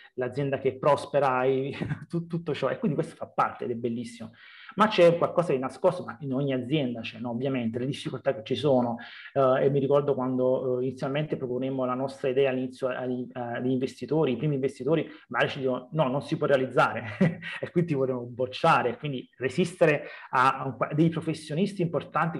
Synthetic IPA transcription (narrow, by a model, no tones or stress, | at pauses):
lad̪zjɛnd̪ak̟epːɾɔspeɾait̪ut̪ːut̪ːot͡ʃɔʔḛkːwind̪ikwest̪o̥fapːa̰rt̪ḛɛ̰d̪ɛbːelːisːimo | mat͡ʃːɛkwalkɔːsad̪inaskost̪omainoɲːiad̪zːjɛnd̪at͡ʃɛnɔːvːjament̪eled̪ifːikolt̪akːet͡ʃːisoːnoemiɾikɔrd̪okwand̪oinit̪sːjalment̪epɾoponemːolanɔst̪ɾaid̪ɛːalːinit̪sːjoa̰ʎid̪iɱvest̪it̪oːɾiːpɾiːmiɱvest̪it̪oːɾimaaɾit͡ʃid̪iːkononɔnːonsipwɔrːealid̪zːaːɾeekːwint̪ivoɾɾeːmobot͡ʃːaːɾekːwind̪iresist̪eɾeakad̪ːejpɾofesːjonist̪iːmport̪ant̪i